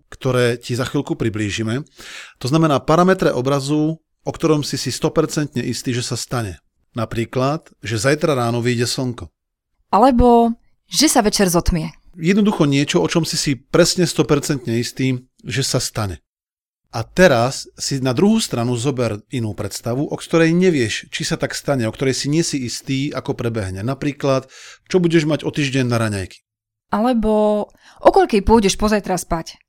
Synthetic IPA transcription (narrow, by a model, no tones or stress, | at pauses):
kt̪ɔɾɛːcizaxʋiːlkupɾibliːʒimɛt̪ɔznamɛnaːpaɾamɛt̪ɾɛʔɔbɾazuː | ɔkt̪ɔɾɔmsisist̪ɔpɛɾt͡sɛnt̪ɲɛʔist̪iːʒɛsast̪aɲɛ | napɾiːklat̪ | ʒɛzajt̪ɾaɾaːnɔʋiːɟɛsɔŋkɔ | ʔalɛbɔ | ʒɛsaʋɛt͡ʃɛɾzɔt̪mɪɛjɛd̪nɔd̪uxɔɲɪɛt͡ʃɔɔt͡ʃɔmsisipɾɛsɲɛst̪ɔpɛɾt͡sɛnt̪ɲɛist̪iː | ʒɛsast̪aɲɛ | ʔat̪ɛɾasːinad̪ɾuɦuːst̪ɾanuzɔbɛɾinuːpɾɛt̪st̪aʋuʔɔkt̪ɔɾɛjɲɛʋɪɛʃt͡ʃisat̪akst̪aɲɛɔkt̪ɔɾɛjsiɲɪɛsiist̪iːakɔpɾɛbɛɦɲɛnapɾiːklat̪t͡ʃɔbuɟɛʒmaɟɔt̪iːʒɟɛɲnaɾaɲa̰jki̥ | ʔalɛbɔ | ʔɔkɔʎkɛjpʊɔɟɛʃpɔzajt̪ɾaspac